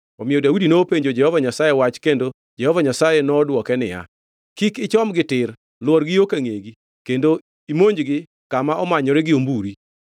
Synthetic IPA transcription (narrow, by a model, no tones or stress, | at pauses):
ɔmɪjɔdawudinoːpeɲd͡ʒod͡ʒɛhɔvaɲasajɛwat͡ʃkendo | d͡ʒɛhɔvaɲasajɛnɔːdwɔkɛnɪ̰ja̰ | kikɪt͡ʃɔmɡɪtɪr | lwɔɾɡɪokaŋeɡi | kendo | imoɲd͡ʒɡɪ | kamaʔɔmaɲɔɾɛɡɪombuɾi